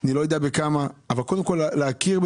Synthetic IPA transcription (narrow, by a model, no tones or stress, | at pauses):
nilojodeabekamaavalkodemkolleakiʁb